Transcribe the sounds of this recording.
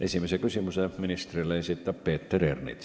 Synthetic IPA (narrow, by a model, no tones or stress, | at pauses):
ʔesimisekysimuseminist̪rilːejsit̪ːæppeːt̪ːerernḭt̪